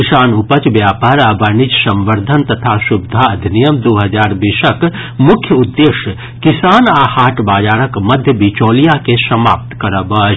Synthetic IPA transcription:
isaːnʊpət͡ʃʋjaːpaːɾɐbənit͡ʃsɐ̃mʋəɾd̪ʱənt̪ɐt̪ʰaʃʊbd̪ʱaɐd̪ʱnijəmd̪oːɦɐd͡ʒaːɾbiʃəkmʊkʰjəʊd̪ːeːʃ | kɪsaːnaːhaːʈbaːd͡ʒaːɾəkmɐd̪ʱjəbiːt͡ʃoːlijakesɐma̰ːp̚t̪kɐɾəbɐt͡ʃ

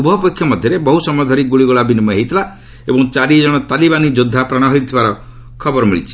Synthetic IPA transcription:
ubʱɔpɔkʰːjɔmɔd̪ʱjɔɾebɔɦusɔmɔjɔd̪ʱɔɾiɡuɭiɡɔɭabinimɔɦejt̪ʰila | ebɔŋt͡ʃaɾid͡ʒɔɽ̃ɔt̪alibanid͡ʒud̪ʱːapɾaɽ̃ɔɦɔjt̪ʰibaɾɔ | kʰɔbɔɾɔmiɭḭt͡ʃʰi̥

